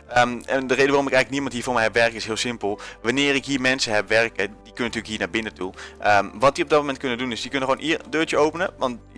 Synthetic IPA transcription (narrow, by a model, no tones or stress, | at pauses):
əmɛndərejdəʋarɔmɪkɛjɣlək̚nimɑntɦiːɹvʊːɹmɛjɦɛpʋɛɹkəɪsɦɪəlˠsɪmpəlˠʋanɪːrɪkɦiːɹmɛnsəɦɛpʋɛrkədikønənətyːləkɦiːəɹnaːɹbɪnətuʔəʋɑt̚diɔb̚dɔt̚momɛnt̚kønədunɪsdiknəxəʋownʔirdøːɹt͡ʃjəowpənəʋɑnt